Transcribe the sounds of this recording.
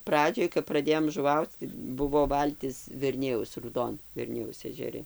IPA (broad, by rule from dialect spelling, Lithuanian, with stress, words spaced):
ˈprɑːd͡ʒʲoːj kɐp prɐˈdʲeːjoːm ʒʊˈʋɐʊt͡s tɐɪ ˈbʊʋoː ˈʋɐlʲtʲɪs ʋʲɛrʲˈnʲɪjɛʊs ruːˈdoːn ʋʲɛrʲˈnʲɪjɛʊs ɛʒʲɛˈrʲɪ